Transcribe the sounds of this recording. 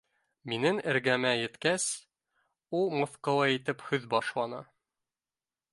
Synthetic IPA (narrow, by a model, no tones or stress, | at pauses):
minɘŋɘ̆ɾɡæmæjɘ̆t̪kæs | ulˠmɤ̆θqɑlˠɑit̪ɘphɵðbɒʃlˠɑnɤ̰